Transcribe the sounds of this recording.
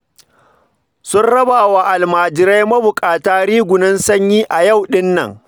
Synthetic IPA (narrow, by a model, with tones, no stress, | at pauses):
sʊ˦nɽɐ˦baː˨waː˨ʔa˨lmaː˨d͡ʒɪ˨ɾa˦jmɐ˦bʊ˨kʼaː˨taː˦ɾiː˦ɡʷʊ˨nɪ˦nsɐ˦ɲjiː˦ʔa˨jɐ˦˨wɗɪ˦nːɐ̰˨ŋ